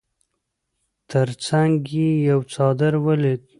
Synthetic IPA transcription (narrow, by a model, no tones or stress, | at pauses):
t̪əɾt͡saŋɡjejawt͡sɑd̪əɾwəled̪̚